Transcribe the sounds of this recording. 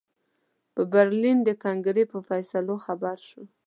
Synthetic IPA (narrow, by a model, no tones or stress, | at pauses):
pəbaɾlind̪əkɑŋɡɾepəfajsaloxabaɾʃə